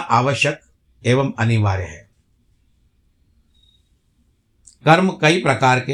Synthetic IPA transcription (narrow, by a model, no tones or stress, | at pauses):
ʔaːʋəʃjək | eːʋəmɐniʋaːɾjəɦɛː | kɐɾmkɐipɾɐkaːɾke